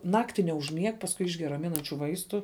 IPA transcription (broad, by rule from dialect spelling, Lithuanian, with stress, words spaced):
ˈnɑːktʲɪ nʲɛʊʒʲˈmʲiɛk pɐsˈkʊɪ ˈɪʒʲɡʲɛr rɐˈmʲɪnɐnʲt͡ʃʲʊ ˈʋɐɪstʊ